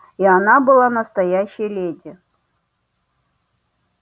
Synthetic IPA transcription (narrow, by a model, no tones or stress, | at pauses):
ianabɨlˠanəst̪ɐjæɕːɪjlʲedʲɪ